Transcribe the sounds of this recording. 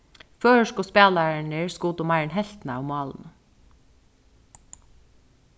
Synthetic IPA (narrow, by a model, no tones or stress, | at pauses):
føːʃkʊspeːlɑɳəɹskuːt̪ʊmæɪɳhɛlt̪n̩əʊmɑːln̩